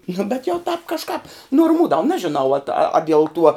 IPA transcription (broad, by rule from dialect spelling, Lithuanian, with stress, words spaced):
nʊ bʲɛt jɛʊ tɑːp kɐʃˈkɑːp noːrmuːdɐw ˈnɑːʒʲɪnɐʊ ɐt ɐ dʲiɛlˠ tuɔ